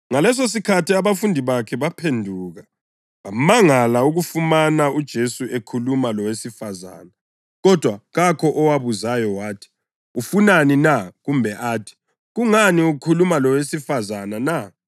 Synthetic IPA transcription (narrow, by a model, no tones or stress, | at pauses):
ŋalɛs̬os̬ikʰatiaβafundʱiβakʰɛβapʰendʱuɣa | βamaŋalauɣufumanaud̥ʒ̥ʱesuʔekʰulumalɔwesifaza̰na | ɣɔd̥ʱwaɣakʰɔʔɔwaβuzajɔwaːtʰi̥ | ufunaninaɣumbʱɛʔaːtʰi̥ | ɣuŋaniuukʰulumalɔwesifazanana